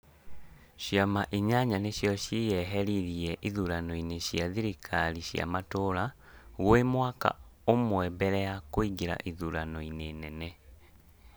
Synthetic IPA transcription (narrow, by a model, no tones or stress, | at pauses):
ɕjamaʔiɲaɲaneɕjɔɕijɛɦɛɾiðiɛʔiðuɾanoineɕjaðiɾikʰaɾiɕja̰matoɾa | ɣwemwaka̰omwɛbɛɾɛakoiɡiɾa̰ʔiðuɾanoinenɛnɛ